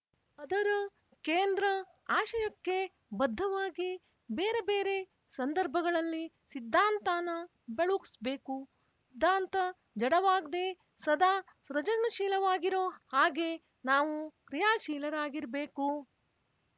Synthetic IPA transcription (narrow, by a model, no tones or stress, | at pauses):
ɐd̪ɐɾu | keːnd̪ɾɐ | aːʃɐjɐkːe̞ | bɐd̪ʱːɐʋaːɡi | beːɾe̞be̞ːɾe̞ | sɐnd̪ɐɾbʱɐɡɐɭɐlːi | sid̪ʱːaːnt̪aːnɐ | beɭuksbeːku | sid̪ʱːaːnt̪ɐ | d͡ʒɐɽɐʋaːɡd̪e̞ | sɐd̪aː | sɾɐd͡ʒɐnɐʃiːlɐʋaːɡiɾoːhaːɡe̞ | naːʋukɾijaːʃiːlɐɾaːɡiɾbe̞ːku